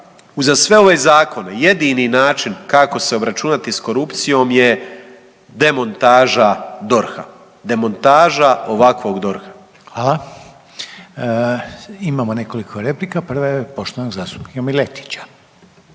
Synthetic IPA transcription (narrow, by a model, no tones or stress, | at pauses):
uzasʋe̞o̞ʋeːzaːko̞neje̞d̪ininaːt͡ʃinkako̞se̞o̞bɾat͡ʃunat̪isko̞ɾupt̪sijo̞mje̞ | d̪e̞mo̞nt̪aːʒad̪o̞ɾxa̰ | d̪e̞mo̞nt̪aːʒao̞ʋakʋo̞ːɡd̪o̞ɾxḁ | xʋala | imaːmoneko̞likʰoɾeplikapr̩ʋajepo̞ʃt̪oʋnoɡzaːst̪u̥piomilet̪i̥t͡ɕḁ